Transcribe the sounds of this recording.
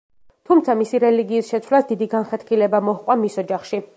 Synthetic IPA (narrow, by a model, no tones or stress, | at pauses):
t̪ʰumt̪sʰamisiɾɛliɡiːsʃɛt̪sʰwlasd̪id̪iɡanχɛt̪χilɛbamɔhqʼwamisɔd͡ʒaχʃi